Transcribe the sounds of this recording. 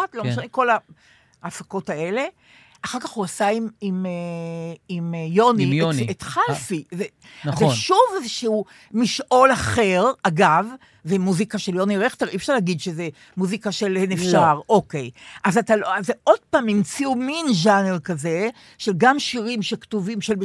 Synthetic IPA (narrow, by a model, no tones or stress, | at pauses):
atloʃaniko̞la | afako̞tae̞le̞ | aχaʁkaχhuasaimime | imjonieoet̪χalfize | nazʃuvezeʃuu | miʃʔo̞laχe̞ʁaɡavː | emuzikaʃeljo̞niʁeχteʁifʃaʁlaɡid̪ʃeze | muzikaʃe̞lenefʃaʁo̞ke̞jʔazataloazeʔo̞d̥̚paːmimt͡siuminʒaneʁkaze̞ | ʃelɡamʃiʁimʃektuvimʃel